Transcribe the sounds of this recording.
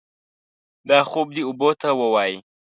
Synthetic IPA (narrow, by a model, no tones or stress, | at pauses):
d̪ɑxob̚d̪iʊbot̪awəwɑji